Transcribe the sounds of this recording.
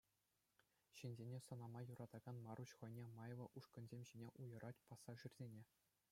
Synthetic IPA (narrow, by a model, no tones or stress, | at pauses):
ɕinʲzʲenʲesɤ̆nɑmɑjuɾʔɑd̪ɑɡɑnmɑruɕχɤ̆jnʲemɑjʋɤ̆ʔuʂkɤ̆nzʲemʲʑinʲeʔujɤ̆ɾʔɑtʲpɑsːɑʐyrʲzʲenʲe